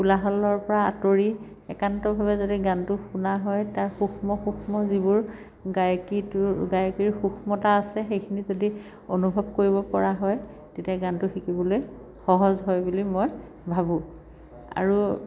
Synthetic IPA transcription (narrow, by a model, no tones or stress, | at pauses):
kulaɦɔlːɔɹpɔɹaa̰toɹi | ɛ̰kantɔbʱabɛzodiɡantʊxunaɦɔjtaɹxuxʰmɔxuxʰmɔzibʊɹ | ɡajkitʊɡajkiɹxuxʰmɔtaːsɛxejkʰinizodi | onubʱɔb̚koɹibɔpɔɹaɦɔj | tetiaɡantʊxikibɔloj | xɔɦɔzɦɔjbulimɔj | bʱabũ | a̰ɹu